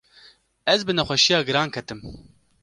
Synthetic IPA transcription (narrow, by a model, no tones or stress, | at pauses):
ɛzbɨnɛxʷɛʃijɑːɡɨɾɑːnkʰɛt̪ɨm